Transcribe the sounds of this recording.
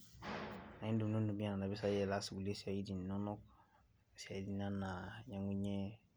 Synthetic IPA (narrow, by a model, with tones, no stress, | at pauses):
ã˨ɲĩ˦do˨m˨nõ˦dũ˨bĩ˦ã˨na˨na˨bɛ˦sa˦jɛ˨la˦su˨ɡu˨le˦si˨a˨i˦di˨nnɔ̃˦nɔ˦k | si˨a˨i˦di˨˦nã˦na˨jã˨ŋɡu˦ɲɛ˦